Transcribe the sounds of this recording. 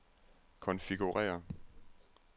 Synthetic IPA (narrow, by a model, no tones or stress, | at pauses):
kʰɒ̽nfiɡ̥uʁɛ̰ːɐ